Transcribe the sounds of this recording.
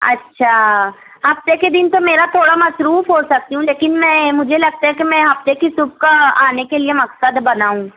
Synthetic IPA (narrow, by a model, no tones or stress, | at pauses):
ɐ̰tːʃʰaː | ɦɐft̪eked̪ɪnt̪omeːɾat̪ʰoːɽamɐsɾuːfɦosɐk̚t̪iɦũleːkɪnmɛ̃ːmʊd͡ʒʱelɐɡ̚t̪aɦɛkimɛ̃ɦɐft̪ekisʊb̚kaaːnekeliemɐksəd̪bɐnaːũː